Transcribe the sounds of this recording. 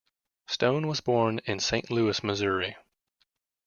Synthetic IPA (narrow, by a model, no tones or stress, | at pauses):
stõʊ̃nwʌzbɔɹnɪ̃nsẽɪ̃nʔlʉɨsmɨzʊɹi